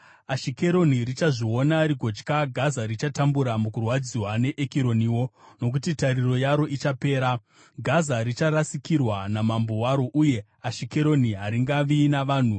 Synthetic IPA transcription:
aʃike̞ɾo̞nirit͡ʃaʐio̞naɾiko̞t͡ʃkaɡʱazaɾit͡ʃatambuɾamukurwad͡ziwane̞ʔekiɾo̞niːwo̞no̞k̬utitariro̞jaɾo̞ʔit͡ʃape̞ːɾa | ɡʱazaɾit͡ʃaɾasikirwanamambo̞waɾo̞ʔuje̞ | aʃikeɾo̞niɦaɾiŋɡaʋinaʋaːn̤u

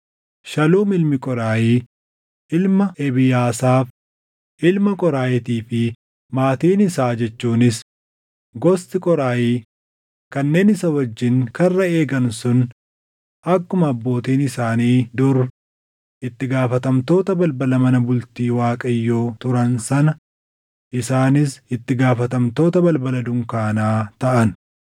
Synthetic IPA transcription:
ʃɐluːmɪlmɪkʼɔɾaːjiː | ʔɪlmɐʔɛbɪjaːsaːf | ʔɪlmɐkʼɔɾaːjɛt̪iːfɪ | maːt̪iːnɪsaːd͡ʒɛt͡ʃːuːnɪs | ɡɔst̪ɪkʼɔɾaːjiː | kɐnːe̞ːnɪsɐwɐd͡ʒːɪŋkɐrːɐe̞ːɡɐnsʊn | ʔɐkːʊmɐːbːo̞ːt̪iːnɪsaːniːd̪ʊɾ | ʔɪt̪ːɪɡaːfɐt̪ɐmt̪o̞ːt̪ɐbɐlbɐlɐmɐnɐbʊlt̪iːwaːkʼɐjːoːt̪ʊɾɐnsɐnɐ | ʔɪsaːnɪsɪt̪ːɪɡaːfɐt̪ɐmt̪o̞ːt̪ɐbɐlbɐlɐd̪ʊŋkaːnaːt̪ɐʔɐn

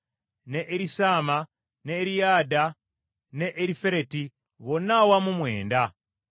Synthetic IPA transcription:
ne̞ʔːɾisaːma | neɾijaːda | ne̞ʔːɾife̞ɾe̞ti | βo̞nawamumwe̞̰ːnda

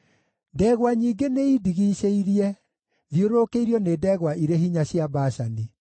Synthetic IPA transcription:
dɛːɣwaɲiːɡeneidiɣiɕeiɾiɛ | ðjoɾoːkeiɾjɔnedɛːɣwaʔiɾeɦiɲaɕjabaʃani

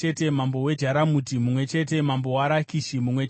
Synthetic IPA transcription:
ete̞mambo̞we̞d͡ʒaɾamutimumwe̞t͡ʃe̞t̬e̞mambo̞waɾakiʃimumwe̞t͡ʃ

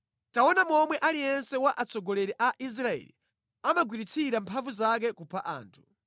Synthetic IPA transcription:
taɔnamɔmwɛʔalijɛnsɛwaʔat͡sɔɡɔlɛɾɛʔaʔis̬ɾaɛ̰lḭ | amaɡwiɾit͡sʰiɾampʰaɱvuzak̬ɛkupʰaʔa̰ːntʰu̥

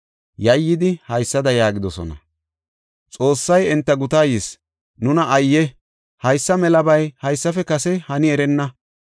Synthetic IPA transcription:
jɐjːɪd̪ɪhɐjsːɐd̪ɐjaːɡɪd̪ɔsɔ̰nɐ̰ | t͡sʼo̞ːsːɐjɛnt̪ːɐɡʊt̪aːjɪs | nʊnɐʔɐjːɛ | hɐjsːɐmɛlɐbɐjhɐjsːɐfɛkɐsɛhɐnɪɛɾɛnːɐ

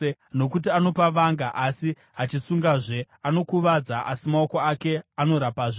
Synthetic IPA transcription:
no̞kut̬iano̞paʋaŋɡaʔasi | ɦat͡ʃisuŋɡaʐe̞ | ano̞kuʋad͡zaʔa̰simaoko̞ake̞ano̞ɾapaʐe

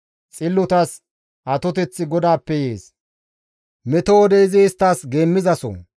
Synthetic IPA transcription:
t͡sʼɪlːʊt̪ɐs | ʔɐt̪ɔt̪ɛt͡sːɪɡɔd̪aːpːɛje̞ːs | mɛt̪oɔd̪ɛɪzɪːst̪ːaːsɡeːmːɪzɐsɔ̰

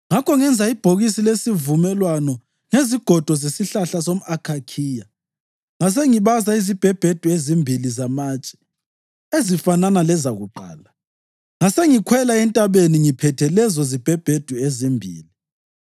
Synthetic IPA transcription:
ŋakʰɔŋɛnd͡zʱaib̥ʱoɣisilesivumɛlwanɔ | ŋeziɡ̥ʱɔd̥ʱɔzesiɬaɬasom̩akʰakʰiːja | ŋas̬eŋiβazaizib̥ʱɛb̥ʱed̥ʱuezimbʱilizamaːt͡ʃʼɛ̥ | ezifananalɛzaɣuǃa̰ːla | ŋaseŋikʰwɛlaɛntʼaβeniŋipʰɛtʰɛlɛzɔzib̥ʱɛb̥ʱed̥ʱuezimbʱḭːli

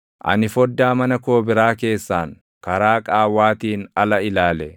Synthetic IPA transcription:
ʔɐ̰nɪfɔd̪ːaːmɐnɐko̞ːbɪɾaːke̞ːsːaːŋ | kɐɾaːkʼaːwaːt̪iːnɐlɐɪlaːlɛ

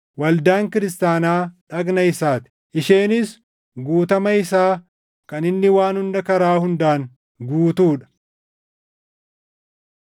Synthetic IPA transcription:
wɐld̪aːŋkɪɾɪst̪aːnaːᶑɐɡnɐɪsaːt̪ɪ̥ | ʔɪʃeːnɪs | ɡuːt̪ɐmɐɪsaː | kɐnɪnːɪwaːnhʊnd̪ɐkɐɾaːhʊnd̪aːŋ | ɡuːt̪uːᶑɐ̥

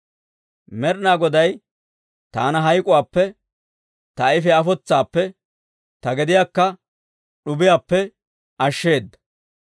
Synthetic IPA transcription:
mɛɾnaːɡɔd̪ɐj | t̪aːnɐɦɐjkʼʊwaːpːɛ | t̪ɐɪfɛɐfɔt͡sːaːpːɛ | t̪ɐɡɛd̪ɪjaːkːɐ | ɗʊbɪjaːpːɛ | ɐʃːe̞ːd̪ːɐ̥

